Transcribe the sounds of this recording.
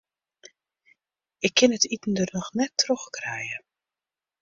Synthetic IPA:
ɪkʰːɪnətʰitən̩dərnɔxnɛtʰːroxkrɛjə

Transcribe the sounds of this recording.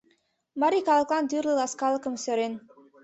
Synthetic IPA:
maɾikaləklˠand̪iɾləlaskalkəmsøɾen

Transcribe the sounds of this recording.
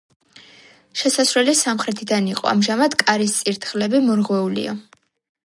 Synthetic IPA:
ʃɛsasɾwɛlisamχɾɛt̪ʰid̪aniqʼɔ̰a̰mʒamad̪kʼaɾist̪sʼiɾt̪ʰχlɛbimɔɾʁwɛulḭa̰

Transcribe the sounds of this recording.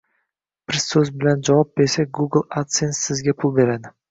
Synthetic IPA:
b̥ɪɾsɵzbɪland͡ʒavɒp̚be̞ɾsak̚ʲɡuɡl̩ˠat̪sensɪzɡʲapʰʊlˠbe̞ɾad̪ɪ

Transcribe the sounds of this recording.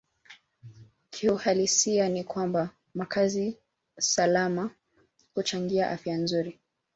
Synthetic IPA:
kʰiuhalisianikwamba | makʰazi | salama | hut͡ʃaŋɡiaʔafjanzuɾi

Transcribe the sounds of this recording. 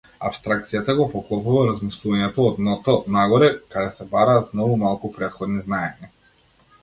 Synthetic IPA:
a̰pst̪ɾakt̪sijat̪aɡɔpɔklˠɔpuvaɾazmislˠuvaɲɛt̪ɔːd̪nɔt̪ɔnaɡɔɾɛkad̪ɛsɛbaɾaːt̪nɔvumalˠkupɾɛt̪xɔd̪niznaɛɲa

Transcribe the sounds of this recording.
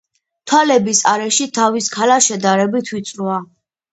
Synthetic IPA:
t̪ʰwalɛbisaɾɛʃit̪ʰaviskʰalaʃɛd̪aɾɛbit̪ʰwit̪sʼɾua

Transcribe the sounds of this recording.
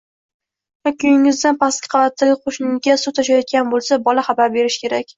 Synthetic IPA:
vakʰʲʊjɪŋɪzd̪anpʰaskʲɪ̥qʰɑvat̪ʰːaɡʲɪqʰoʃnɪɡʲasut̪ʰaʃajɒt̪̚kʲanbolˠsabɒlaχɑbaɾbe̞ɾɪʃkʲʰe̞ɾakʲ

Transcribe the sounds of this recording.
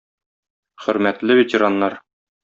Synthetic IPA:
χɵ̆ɾmæt̪lɘvet̪ʲĕɾɑnːɑɾ

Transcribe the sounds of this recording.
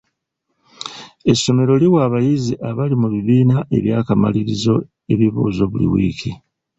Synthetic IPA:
e̞so̞me̞ɾo̞liwaβajiziʔaβalimuβiβiːnaʔe̞̰βjaːkama̰liɾizo̞ | e̞βiβṵːzo̞βulḭwḭːkʰi

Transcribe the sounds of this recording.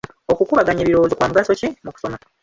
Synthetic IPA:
o̞kukuβaɡaɲeβiɾoozokwaːmuɡaso̞cemuku̥so̞ma

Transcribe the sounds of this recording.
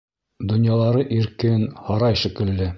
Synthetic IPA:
d̪ŏnjɑlˠɑɾɤʔiɾkɘnhɑɾɑjʃɵ̆kɘ̆lːɘ

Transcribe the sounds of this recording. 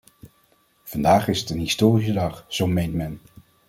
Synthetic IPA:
v̥ɑndaːχɪsətənɦistoːris̬ədɑχz̥owmejntmɛn

